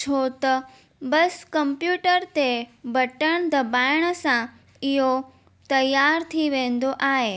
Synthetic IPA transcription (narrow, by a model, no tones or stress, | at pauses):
t͡ʃʰot̪ɐ | bɐskɐ̃mpjuːʈəɾt̪ebɐʈəɽ̃d̪əbaːɪɽ̃sã | ɪɦo | t̪ɐjaːɾt̪ʰiʋẽːn̆d̪oʔaːɦeː